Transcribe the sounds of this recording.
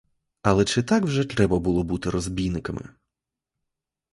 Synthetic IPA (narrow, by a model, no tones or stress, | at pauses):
ɐlˠɛt͡ʃɪt̪ɑkwʒɛt̪ɾɛbɐbulˠɔbut̪ɪɾɔzbʲijnɪkɐmɪ̰